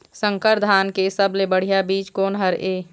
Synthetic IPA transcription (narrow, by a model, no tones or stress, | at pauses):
səŋkəɾd̪ʱaːnkesəblebəɽ̤ijabiːt͡ʃkoːnɦəɾʔeː